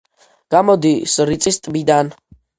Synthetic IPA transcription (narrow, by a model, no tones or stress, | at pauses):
ɡ̥amɔd̪isɾit̪sʼist̪ʼbid̪an